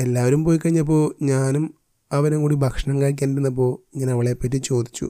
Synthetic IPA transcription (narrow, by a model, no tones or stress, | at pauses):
e̞lːaːʋɐɾumpoːjkːɐɻiɲːɐp̬ːo̞ːɲaːnum | ɐʋɐnekuːɽibʱɐkʂɐɳɐmkaɻk̬ʲːaːniɾenːɐp̬ːo̞ːɲaːnɐʋɐɭepːɐtːit͡ɕo̞ːd̪ʱit͡ɕːṵ